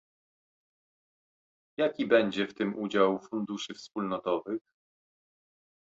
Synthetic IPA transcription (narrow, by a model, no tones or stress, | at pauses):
jakʲibɛɲd͡ʑɛft̪ɘmʔud͡ʑawfund̪uʂɘfspulnɔt̪ɔvɘx